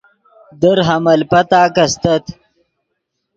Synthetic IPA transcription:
d̪əɾɦɐmɐlpɐt̪aːkɐst̪ət̪

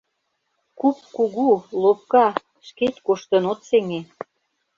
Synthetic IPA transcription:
kupkuɣulop̚kɑ | ʃket̪ʲkuʃt̪ə̆not̪seŋe

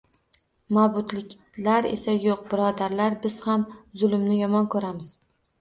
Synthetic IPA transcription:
mabʊt̪lɪkʲ | laɾe̞̰sajoq̚bɪɾɒd̪aɾlaɾbɪz̥hamzʊlˠɪmnɪjɒmɒnkʰɵɾamɪz̥

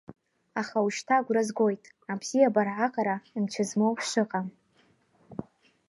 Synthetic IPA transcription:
aχauʃtʰaɡʷrazɡo̞jtʼ | abz̥ijabarʕaqʼaɾaimt͡ʃʰazmowħʂʷɨqʼam

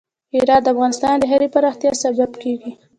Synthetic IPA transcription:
iɾɑt̪̚d̪əafɣɑnɪst̪ɑnd̪əɦaɾepaɾɑxt̪jɑsababkeɡi

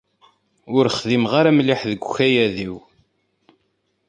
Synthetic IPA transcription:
ʊɾχðimʁaɾamliħðəɡʷçæjæðiw

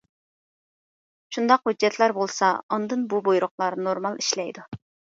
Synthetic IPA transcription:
ʃund̪ɑqhud͡ʒːɛt̪ʰlæɾbolˠsɑɑnd̪ɨnbubojɾʊχlˠɑɾnoɾmɑlˠiʃlɛjd̪u

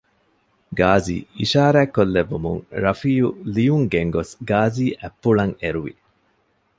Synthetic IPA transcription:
ɡaːzḭːiʃaːɾæːkːolːeʋːumṵŋɾɐfiːjulijuŋɡeŋɡosɡaːziːʔæpːuɭɐŋeɾuʋḭ

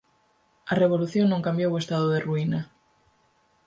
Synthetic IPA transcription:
areβ̞oluθjoŋnõŋkambjowest̪aðʊðeruina

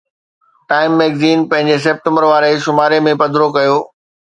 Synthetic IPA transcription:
ʈaːɪmːeːɡziːnpɐ̃ɦɪ̃ɲd͡ʑes̬ep̚ʈə̃mbəɾʋaːɾeʃʊmaːɾemẽpɐd̪ʱɾokɐjoː

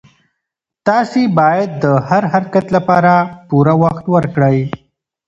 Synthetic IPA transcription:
t̪ɑsibɑjad̪ːəhaɾhaɾkat̪lapɑɾapuɾawaxt̪wəɾkɽəj

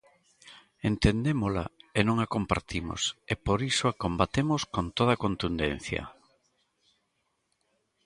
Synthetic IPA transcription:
ent̪end̪emola̰enõŋakompaɾt̪imo̰sepoɾisoakombat̪emoskont̪oð̞ɐkont̪und̪ḛn̟θjɐ̰

